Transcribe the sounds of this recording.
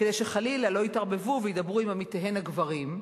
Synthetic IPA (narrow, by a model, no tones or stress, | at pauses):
kedejʃeχalilalo̞itaʁbe̞vuvejid̪abʁuimamiteɦenhaɡvaʁim